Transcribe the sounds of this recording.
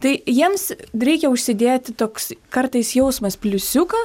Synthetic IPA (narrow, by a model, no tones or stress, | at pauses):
t̪ɐɪjiɛmsɾʲɛɪkʲɛʊʃʲsʲɪd̪ʲeːt̪ʲt̪oːkskɐrt̪ɐɪsjɛʊsmɐspʲlʲʊsʲʊkɐ